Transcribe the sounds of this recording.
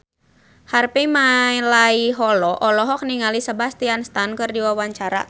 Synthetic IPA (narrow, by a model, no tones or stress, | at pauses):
harpimalaiɦɔlɔʔɔlɔɦɔk̚niŋalisəbast̪ianst̪ankɨrdiwawaɲt͡ʃaɾa̰